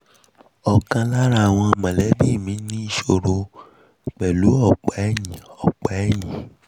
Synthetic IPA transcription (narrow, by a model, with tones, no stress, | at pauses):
ɔ˨kã˧la˦ɾa˦˨w̃ɔ̃˧mã˨lɛ˨˦bi˦˨mĩ˨˦nĩ˦i˦˧˨ʃo˧ɾo˧˨ | k͡pɛ˨lu˨˦ɔ˦˨k͡pa˨˦ɛ˦˨j̃ĩ˨ɔ˨k͡pa˨˦ɛ˦˨j̃ĩ˨˦